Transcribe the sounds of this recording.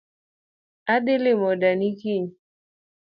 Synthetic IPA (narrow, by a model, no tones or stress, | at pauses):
aɗilimɔɗanikiɲi